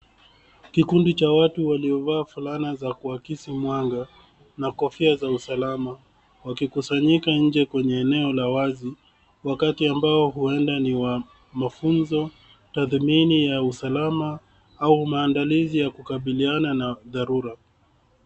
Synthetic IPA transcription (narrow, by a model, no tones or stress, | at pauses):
kikundit͡ʃawatuwaliɔvaːfulanazakuakisimwaŋɡa | nakɔfiazausalama | wakikusaɲikaɲ̩d͡ʒɛkwɛɲɛːnɛɔlawazi | wakatiambaɔɦuɛndaniwa | mafunzɔ | taθminijausalama | aumaːndalizijakukaɓiliananaðaɾuɾa